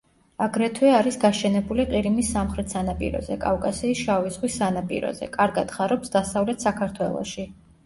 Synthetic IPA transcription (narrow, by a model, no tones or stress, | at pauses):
aɡɾɛt̪ʰwɛaɾisɡaʃɛnɛbuliqʼiɾimisːamχɾɛt̪ʰsanapʼḭɾɔ̰zɛkʼafkʼasiːsʃavizʁwisːanapʼḭɾɔ̰zɛ̰kʼaɾɡad̪̥χaɾɔpsd̪asavlɛt̪ʰsakʰaɾt̪ʰwɛlˠɔ̰ʃi